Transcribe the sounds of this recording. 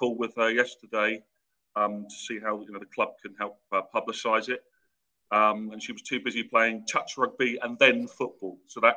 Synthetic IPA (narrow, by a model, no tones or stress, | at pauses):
pʰʊlˠwɪð̥əjɛstədeɪ | ʌ̃mtʰə̥siːɦaʊjənoʊðəkʰl̥ʌb̚kʰə̃nhɛlˠp̚ʌpʰʌblɪsaɪzɪt̚ | ʌ̃mə̃nʃiwɒz̥tʰʉːbɪzipʰl̥eɪɪ̃ŋtʰʌt͡ʃɹʌɡ̚biʔə̃nðə̃nfʊʔ̚b̥ɔːlˠsəʊðəʔ